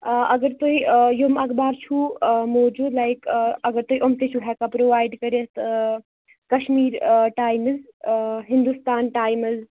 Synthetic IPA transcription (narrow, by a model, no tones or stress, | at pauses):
ɐɡəɾt̪ojjomɐɡbaɾt͡ʃʰumoːd͡ʒuːd̪lajkɐɡəɾt̪ojʔomt̪et͡ʃʰuɦɛkapɾoʋaːjɖkəɾet̪ | kɐʃmiːɾʈaːjmɨzɦind̪ust̪aːnʈaːjmɨz